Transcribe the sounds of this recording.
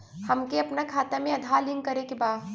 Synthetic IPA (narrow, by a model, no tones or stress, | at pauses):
hɐmkeɐpnakʰaːt̪amẽɐd̪ʱaːlɪ̃ŋɡkɐɾekebaː